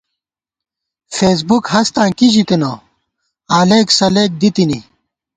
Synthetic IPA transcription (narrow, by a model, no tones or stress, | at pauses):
feːs̬bukhɐst̪ãːkiʑikeno | aːleːksɐleːk̚d̪it̪ini